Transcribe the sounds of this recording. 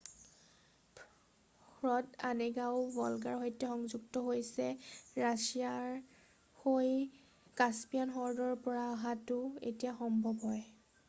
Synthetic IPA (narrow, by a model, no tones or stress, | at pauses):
ɹɔdanɛɡaʊbɔlɡaɹɦojtɛxɔŋzuɡtɔɦojsɛɹasia | hoj | kaspijanxɔɹdɔɹpɔɹaːɦatʊḛtijaxɔmbʱɔbɦɔj